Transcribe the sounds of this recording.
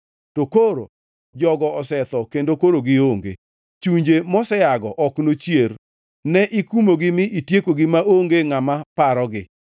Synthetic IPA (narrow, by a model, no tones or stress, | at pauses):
tokoɾo̰ | d͡ʒɔɡɔɔsɛt̪ɔkendokoɾoɡɪoŋɡḛ | t͡ʃuɲd͡ʒemɔsɛaɡɔʔɔknot͡ʃjer | nɛʔikumoɡɪmɪʔitjekoɡɪmaʔoŋɡeŋamapaɾɔɡɪ